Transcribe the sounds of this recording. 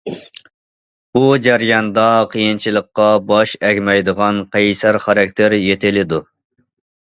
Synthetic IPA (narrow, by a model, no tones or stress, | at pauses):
ud͡ʒæɾjɑnd̪ɑqʰəjint͡ʃʰilˠəqːɑbɑʃɛkʲmɛjd̪əʁɑnqʰæjsæɾχɑɾɑkʲt̪ʰɪɾjet̪ʰɪlɪd̪u